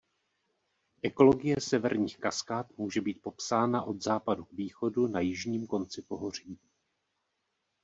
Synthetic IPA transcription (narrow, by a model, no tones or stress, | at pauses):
ʔɛko̞lo̞ɡɪjɛsɛvɛɾɲiːxkaskaːt̪muːʒɛbiːt̪̚po̞psaːnaʔo̞d̪zaːpadukviːxo̞dunajɪʒɲiːmko̞nt͡sɪpo̞ɦo̞r̝iː